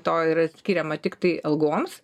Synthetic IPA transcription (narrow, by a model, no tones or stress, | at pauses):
t̪oːiːɾɐsʲkʲiːɾʲɛmɐt̪ʲɪkt̪ɐɪɐlˠɡuɔms